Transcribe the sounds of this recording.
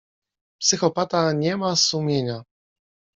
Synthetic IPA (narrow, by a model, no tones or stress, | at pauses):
psɘxɔpat̪aɲɛmasumʲjeɲa